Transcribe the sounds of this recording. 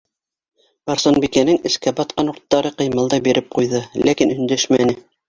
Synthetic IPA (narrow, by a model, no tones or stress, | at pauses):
b̥ɑɾsonbikænɘŋɘ̆skæbɑt̪̚qɑnuɾt̪ːɑɾɤqɤ̆jmɑlˠd̪ɑbiɾʔɘp̚qujðɤlækinɵ̆nd̪æʃmænɘ